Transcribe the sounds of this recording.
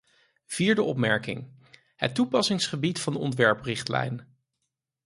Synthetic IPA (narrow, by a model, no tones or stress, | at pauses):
v̥iːɹdəʔɔpmɛɹkɪ̰ŋ | hə̰tːupɑsɪŋsχəbitfɑndəɔ̰ntʋɛɹprɪχtlɛ̰jn